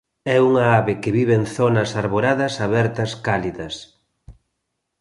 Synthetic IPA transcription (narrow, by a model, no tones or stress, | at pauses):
ɛuŋɐaβekeβiβeŋθonɐsaɾβoɾaðɐsaβɛɾt̪ɐskaliðɐs